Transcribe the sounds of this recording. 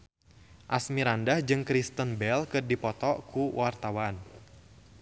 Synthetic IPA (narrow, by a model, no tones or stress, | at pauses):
ʔasmiɾandahd͡ʒɨŋkɾist̪ənbɛlkɨrdipɔt̪ɔkuwʔart̪awan